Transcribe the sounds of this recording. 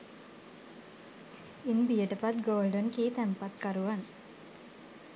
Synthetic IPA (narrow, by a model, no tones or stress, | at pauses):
inbijəʈəpat̪ɡoːlɖonkiːt̪ɛmpat̪kaɾuʋan